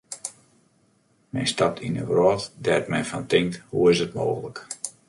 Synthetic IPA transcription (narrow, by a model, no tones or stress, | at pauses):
mɛ̰nstap̚tʰinə̰rɔtdɛtmɛjfantɪŋkthuɪsətmo̰ːɣələk